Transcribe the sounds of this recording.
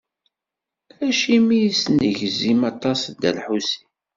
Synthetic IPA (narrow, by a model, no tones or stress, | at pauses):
æʃimijisnəʝzimɑt̪ˤɑsd̪æ̰lħusi̥